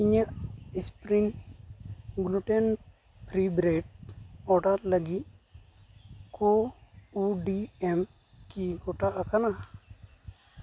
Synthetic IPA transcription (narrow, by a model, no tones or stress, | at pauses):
iɲəʔispɾiŋ | ɡluʈɛn | pʰɾibɾeʈ̚ɔɖaɾləɡi | kʰouɖiɛm | kiɡoʈaʔakana